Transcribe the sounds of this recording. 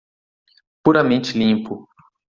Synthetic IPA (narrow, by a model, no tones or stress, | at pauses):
puɾɐmẽnt͡ʃɪlĩpʊ